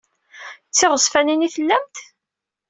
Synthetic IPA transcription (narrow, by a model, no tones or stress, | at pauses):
t͡sːɪʁəsˤfæniniθəlːæmt̪